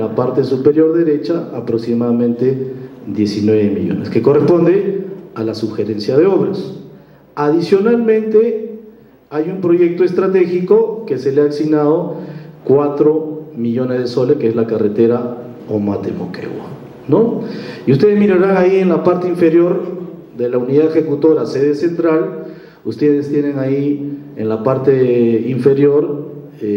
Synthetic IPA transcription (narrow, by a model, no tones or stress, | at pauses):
apaɾt̪e̞supe̞ɾjo̞ɾðe̞ɾe̞t͡ʃaːpɾoksimaðamẽnt̪e̞ðje̞sinwe̞βemḭʎo̞̰neske̞ko̞respo̞nd̪ealasuβxe̞ɾe̞nsjaðe̞oβɾos | aðisjo̞nalmẽ̞nt̪e̞ | ajumpɾo̞ʝe̞k̚t̪oest̪ɾat̪e̞xiko̞ke̞se̞leaksinaðo̞kwat̪ɾo̞miʎo̞nezðeso̞leskeezlakaret̪eɾa | omat̪ḛmo̰kḛwa̰ | noiust̪e̞ðezmiɾaɾaŋaienlapaɾt̪eiɱfe̞ɾjo̞ɾ | d̪e̞launiðaðexe̞kut̪o̞ɾaseðese̞nt̪ɾal | ust̪eðest̪je̞neŋaienlapaɾt̪eiɱfe̞ɾjo̞ɾ | e